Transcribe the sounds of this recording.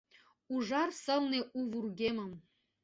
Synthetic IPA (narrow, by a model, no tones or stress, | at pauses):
uʐɑrsɤ̆lneʔuvurɡʲemə̆m